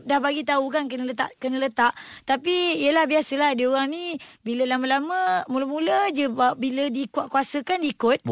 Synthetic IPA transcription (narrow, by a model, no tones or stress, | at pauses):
dahbaɡit̪aukankənələt̪a̰ʔkənələt̪aʔt̪apijəlahbiasəlahdioɣaŋnĩbiləlamãlamə̃muləmuləd͡ʒəbap̚bilədiːkuaʔkuasəkandiːkʊt̪̚